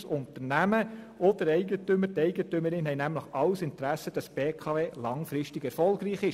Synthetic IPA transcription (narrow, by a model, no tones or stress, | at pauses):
sʊntəɾnæmə | ɔd̥əɾɛɪɡətøməɾtɛɪɡətʏməɾɪnɦɛjnæmləχɑwsɪntɾæsəd̥ɑsb̥eːkʰɑːveːlɑŋfɾɪʃtɪɡɛɾfɔlɡɾiːχɪʃ